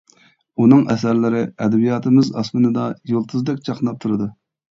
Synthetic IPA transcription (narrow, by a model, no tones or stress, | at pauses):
unɨŋɛsæɾlɪɾɪɛd̪ɛbijɑːt̪ʰɨmɪzɑ̰smɨnɨd̪ɑjolˠt̪ʰɨzd̪ɛkʲt͡ʃʰɑqnɑp̚t̪ʰuɾɨd̪u